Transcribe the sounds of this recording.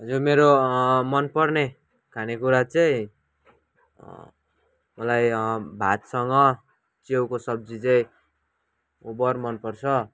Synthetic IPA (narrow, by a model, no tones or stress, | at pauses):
ɦʌd͡zurmeɾomʌnpʌrne | kʰanekuɾat͡sʌĩ | mʌlajbʱat̪sʌŋɡʌ | t͡sewkosʌb̚d͡zit͡sʌĩ | ubʌrmʌnpʌrt͡sʰʌ